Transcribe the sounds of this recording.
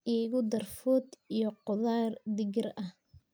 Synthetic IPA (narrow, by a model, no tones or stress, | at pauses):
ʔiːɣʊd̪ɐrfʊːd̪ijɔqʊðaːrd̪ɪɣɪrɐh